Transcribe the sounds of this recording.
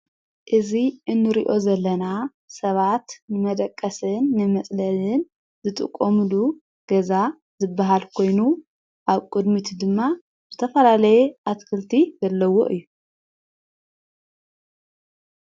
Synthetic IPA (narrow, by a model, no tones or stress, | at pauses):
ʔɨziʔɨnːɨɾiʔo̞zɐlːɐna | sɐβat̪nɨmɐd̪ɐkʼːɐsɨnːɨmɐt͡sʼlɐlɨn | zɨt̪ʼɨ̰kʼːomɨlu | ɡ̥ɐza | zɨbaɦalkʰo̞jnu | ʔaβkʼud̪mit̪ʰud̪ɨmːa | zɨt̪ʰɐfɐlalɐjɛʔat̪kʰɨlt̪ʰizɐlːɐwo̰ʔɨjːu